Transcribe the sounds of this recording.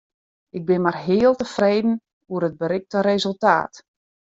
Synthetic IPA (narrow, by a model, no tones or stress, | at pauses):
ɪɡ̚bɪnmarɦɪːəlˠtəfreːdn̩ | uəɾət̚bəɾɪk̚təɾezəlˠta̰ːt